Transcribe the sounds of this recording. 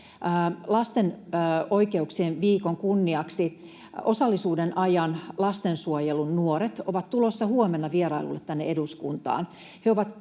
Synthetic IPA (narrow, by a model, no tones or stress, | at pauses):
lɑst̪enːoikeuksieːnʋiːkoŋkunːiɑksi | osɑlːisuːdenʔɑjɑnlɑst̪ensuojelunnuoɾet̪oʋɑt̪t̪ulosːɑhuomenːɑʋieɾɑilṵlːet̪t̪ænːeeduskunt̪ɑ̰ːn | heoʋɑt̪